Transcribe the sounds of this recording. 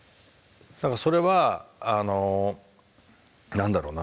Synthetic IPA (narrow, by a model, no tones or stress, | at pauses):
nãŋkaso̞ɾe̞βaːno̞ | nãnd̪aɾo̞ːna